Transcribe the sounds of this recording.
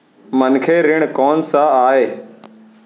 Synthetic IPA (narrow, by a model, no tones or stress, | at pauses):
mənkʰeːɾɪɽ̃kɔːnsãaːɦeː